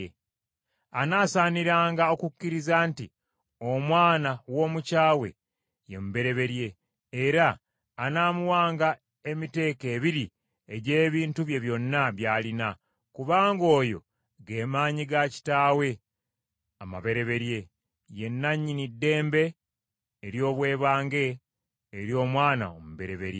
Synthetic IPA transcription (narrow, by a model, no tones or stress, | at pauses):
e | anaːsaːniɾaːŋɡao̞kucːiɾizaːnti | o̞mwaːnawo̞ːmucaːwe̞̰ | jemuβe̞ɾe̞βe̞ɾje̞ː | ɾaː | naːmuwaːŋɡa | e̞mite̞ːke̞ːβiɾi | e̞ɟe̞ːβiːntuβje̞βjo̞nːaβjaːlina | kuβaːŋɡo̞ːjo̞̰ | ɡe̞ːmaːɲiɡaci̥taːwe̞ | ama̰βe̞ɾe̞βe̞ɾje̞ | je̞nːaɲːinidːe̞ːmbe̞ː | ɾjo̞ːβwe̞ːβaːŋɡe̞ː | ɾjo̞ːmwaːna̰omuβe̞ɾe̞βe̞ɾje